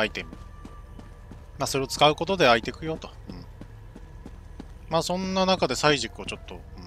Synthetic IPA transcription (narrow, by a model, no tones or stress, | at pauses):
ait̪e̞mi | maːso̞ɾe̞ot͡sɨ̥kaɯ̟ko̞t̪o̞d̪e̞ait̪e̞kɯ̟jo̞t̪o̞̥ | ɯ̟̃ɴ | maːsõ̞nːanakad̪e̞saiʑikɯ̟ot͡ɕo̞t̪ːo̞ɯ